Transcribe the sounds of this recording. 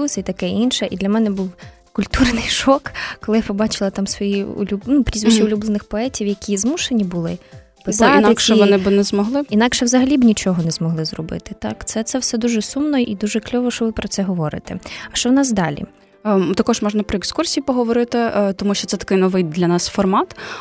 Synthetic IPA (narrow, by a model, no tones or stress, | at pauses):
usʲit̪ɐkɛinʃɛʔid̪lʲɐmɛnɛbuw | kʊlʲt̪urnɪjʃɔkkːɔlˠɪjapɔbɑt͡ʃɪlˠɐt̪ɑmsʋɔjiʊ̰lʲubnupɾʲizʋɪt͡ʃːiʊlʲublˠenɪxpɔɛtʲiwjɐkʲʰizmuʃenʲibʊlˠɪ | pɪsɑt̪nkɛʋɔnɪbɨnɛzmɔɦlˠɪinɑkʃɛwzɐɦɐlʲibnʲit͡ʃɔɦɔnɛzmɔɦlˠɪzrɔbɪ̰t̪ɪt̪ɑ̰kt̪sɛt̪sɛwsɛd̪uʒɛsumnɔʔid̪uʒɛklʲɔʋɔʃt͡ʃɔʋɪpɾɔt̪sɛɦɔʋɔɾɪ̰t̪ɛɐʃt͡ʃɔwnɑsd̪ɑlʲḭ | t̪ɐkɔʒmɔʒnɐpɾɔekskursʲijipɔɦɔʋɔɾɪt̪ɪt̪ɔmuʃt͡ʃɔt̪ɛt̪ɐ̥kɪjnɔʋɪjd̪lʲɐnɑsfɔrmɑt̪